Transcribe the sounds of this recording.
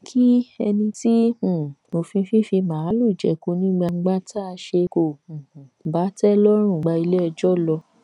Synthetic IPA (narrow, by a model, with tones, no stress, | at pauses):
kʰi˦ɛ˧nĩ˧ti˦ũ˦˨o˧fĩ˧fĩ˦fi˧mãː˨˦lu˦˨d͡ʒɛ̰˨˧ko˧˦nĩ˦ɡ͡ba˧ŋ͡m̩˦ɡ͡ba˦tʰa˦a˧ʃe˧ko˨ũ˨ba˨˦tɛ˦lɔ˦ɾ̃ũ˦˨ɡ͡ba˧i˧le˦ɛ˧d͡ʒɔ˦˨lɔ˧